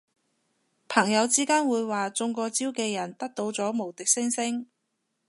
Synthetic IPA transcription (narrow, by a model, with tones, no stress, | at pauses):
pʰɐ˨˩ŋjɐ˨˧wt͡siː˥kaː˥nwuː˨˧jwaː˨t͡sʊ˧ŋkɔː˧t͡siː˥wkɛː˧jɐ˨˩nt̪ɐ˥k̚t̪o˧wt͡sɔː˨˥mo˨˩wt̪ɪ˨k̚sɪ˥ŋsɪ˥ŋ